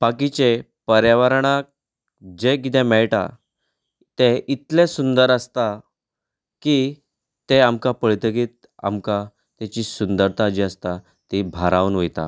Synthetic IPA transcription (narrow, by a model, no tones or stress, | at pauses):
bakit͡ɕe | pəɾjaʋaɾɳak̚ | d͡ʑeɡit̪ɛ̃mɛɭʈa̰ | t̪eʔit̪lesund̪əɾəst̪a | ki | t̪eamkapəɭt̪əkit̪̚ | a̰mka | t̪at͡ɕiːsund̪əɾt̪ʰad͡ʑiəst̪a | t̪ibʱaɾaʋnʋəjt̪a̰